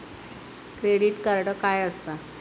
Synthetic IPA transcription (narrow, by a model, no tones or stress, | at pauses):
kɾeɽiʈkəɾɽəkajəst̪a